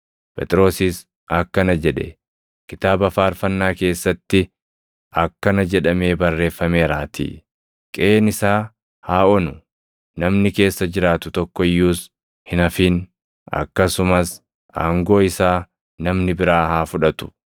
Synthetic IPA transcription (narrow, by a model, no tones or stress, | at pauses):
pʰʼɛ̰t̪ʼɪɾo̞ːsɪs | ɐkːɐnɐd͡ʒɛᶑɛ̰ | kɪt̪aːbɐfaːɾfɐnːaːke̞ːsːɐt̪ːɪ | ʔɐkːɐnɐd͡ʒɛᶑɐme̞ːbɐrːe̞ːfːɐme̞ːɾaːt̪ʰḭː | kʼeːnɪsaː | haːʔɔnʊ | nɐmnɪke̞ːsːɐd͡ʒɪɾaːt̪ʊt̪ɔkːɔɪjːuːs | hɪnɐfiːn | ɐ̰kːɐsʊmɐs | aːŋɡo̞ːɪsaː | nɐmnɪbɪɾaːhaːfʊᶑɐt̪ʊ̥